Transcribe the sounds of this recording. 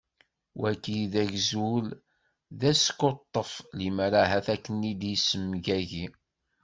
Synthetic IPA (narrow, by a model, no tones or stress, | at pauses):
wækiðæʝzul | ðæskot̪ˤːəflimɾaɦæθækːənid̪jisəmʝæʝi